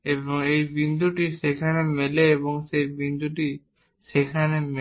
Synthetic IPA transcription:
ebɔŋejbind̪ʱuʈisekʰanemeleːβɔŋsebind̪ʱuʈi | sekʰaneme

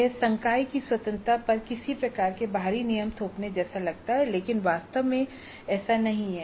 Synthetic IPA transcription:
ɛsɐ̃ŋkaːikiswɐt̪ə̃nt̪ɾapɐɾkɪsipɾɐkaːɾkebʱaːɾinijəmt̪ʰoːpned͡ʒɛːsalɐɡ̚t̪aɦɛleːkɪnʋaːst̪əʋmẽ | ɛːsanɐɦĩɦɛ

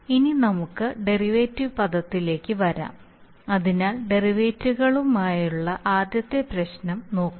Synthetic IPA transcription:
ininɐmukːɨɖe̞riʋeːtːiʋpɐd̪ɐt̪ːile̞ːkʲːɨʋɐɾa̰ːm | ɐðinaːlɖe̞riʋe̞ːtːuɣɐɭumaːjuɭːɐʔaːd̪jɐt̪ːepɾɐɕnɐmno̞ːkːu

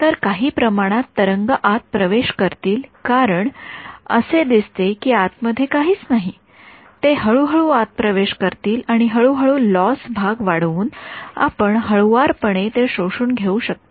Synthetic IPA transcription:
t̪əɾkaɦiːpɾəmaɽ̃at̪ːəɾəŋɡəʔat̪̚pɾəʋeɕkəɾt̪iːlkaɾəɳə̰sed̪ist̪ekiːat̪məd̪ʱːjekaɦiːt͡snaɦi | t̪eɦəɭuːɦəɭuat̪̚pɾəʋeɕkəɾt̪iːlaɽ̃iɦəɭuɦəɭuːlɔsbʱaɡʋaɽʋuːna̰pəɳɦəɭʋaɾpəɽ̃et̪eɕoʂuːnɡʱeuɕək̚t̪e̥

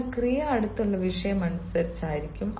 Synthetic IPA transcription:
krijɐɐɽut̪ːuɭːɐʋiʂɐjɐmːɐnɐsɨsɐɾit͡ɕːaːjiɾikʲːum

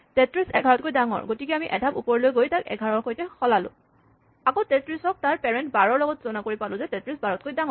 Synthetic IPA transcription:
tɛtɹisɛ̰ɡʱaɹɔt̚kojdaŋɔ̰ɹɡotikɛamiʔɛ̰dʱabupɔɹlojɡojtakɛ̰ɡʱaɹɔɹxojtɛxɔlalʊ̰̃ | akotɛtɹisɔk̚taɹpɛɹɛntbaɹɔɹlɔɡɔtzɔnakoɹipalʊ̃zɛtɛtɹisbaɹɔt̚kojdaŋɔɹ

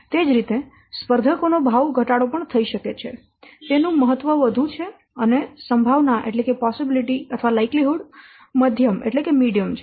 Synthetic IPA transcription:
t̪ed͡ʒɾit̪e | spəɾd̪ʱəkonobʱaʋɡʱəʈaɽopəɳt̪ʰəiʃəket͡ʃʰe | t̪enũməɦət̪ʋəʋəd̪ʱut͡ʃʰe | ənesəmbʱaʋnaʔḛʈlekepɔsibiliʈiət̪ʰʋalajkliɦuɽ | məd̪ʱjəmḛʈlekemiɽijəmt͡ʃʰe

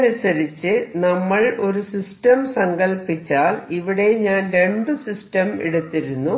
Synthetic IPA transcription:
ɾisɐɾit͡ɕːɨnɐmːɐɭo̞ɾusisʈɐmsɐŋɡɐlpit͡ɕːaːliʋiɽe̞ɲaːnɾe̞ɳɖɨsisʈɐmḭɽut̪ːiɾunːu

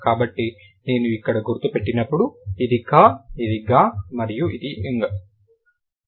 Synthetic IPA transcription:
kaːbɐʈːi | ne̞ːnuikːɐɽɐɡuɾt̪ːupe̞ʈːinɐpːuɽuid̪ikaːid̪iɡaːmɐɾijuʔid̪iʔiŋɡɐ

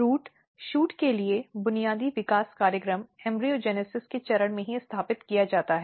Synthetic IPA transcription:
ɾuːʈ | ʃuːʈkeliebʊnijaːd̪iʋɪkaːskaːɾjəkɾəmɛ̃ːmbɾiod͡ʒɛːnesɪsket͡ʃɐɾəɽ̃mẽɦiɪst̪ʰaːpɪt̪kijad͡ʒaːt̪aɦɛː

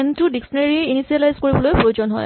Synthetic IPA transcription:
ɛntudiksɔneɹiinisialajzkoɹibɔlojpɹojod͡ʒɔnɦɔ̰j

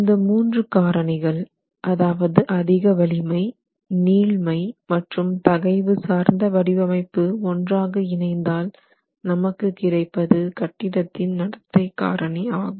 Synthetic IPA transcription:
ɪnd̪ɐmuːndrɯkaːɾɐɳɪɣɐɭ | ʔɐðaːʋɐðɯʔɐðɪɣɐʋɐlɪmɐɪ | niːlmɐɪmɐʈrɯmt̪ɐɣɐɪʋɯsaːɾnd̪ɐʋɐɽɪʋɐmɐɪpːɯɔndraːɣɐɪnɐɪnd̪aːl | nɐmɐkːɯkɪrɐɪpːɐðɯkɐʈːɪɽɐt̪ːɪnnɐɽɐt̪ːɐɪkːa̰ːɾɐɳiaːɣɯm

